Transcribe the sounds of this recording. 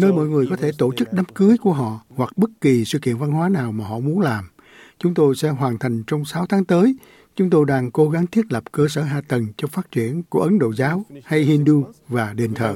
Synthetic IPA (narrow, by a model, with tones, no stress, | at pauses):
nəː˧jmɔ̰˧˨jŋɨ˨˩əjkɔ˨˦t̪ʰe˧˩t̪o˧˩t͡ɕɨ˦˥k̚ɗa˨˦mkɨ˨˦jku˧˩əɦɔ̰˧˨hwa˨˩k̚ɓə˦˥t̚ki˨˩sɨ̰˧˨kḭ˧˨ənva˧nɦwaː˨˦naː˨˩wmaː˨˩ɦɔ̰˧˨mu˨˦ənlaː˨˩m | t͡ɕʊ˨˦ŋ͡mt̪o˧jsɛ̰˧˥ɦwaː˨˩nt̪ʰa˨˩jŋ̟t͡ɕɔ˧wŋ͡msaː˨˦wt̪ʰaː˨˦ŋt̪əː˨˦j | t͡ɕʊ˨˦ŋ͡mt̪o˧jɗaː˧ŋko˧˦ɣa˨˦ŋt̪ʰi˦˥ət̚lə˨˩p̚kəː˧səː˧˩ɦaː˧˩t̪ə˨˩nt͡ɕɔ˧faː˦˥t̚t͡ɕwi˧˩˨ənku˧˩əʔə˨˦nɗo̰˧˨zaː˨˦wha˧jhi˧nɗu˧vaː˨˩ɗe˨˩nt̪ʰə̰ː˧˨˩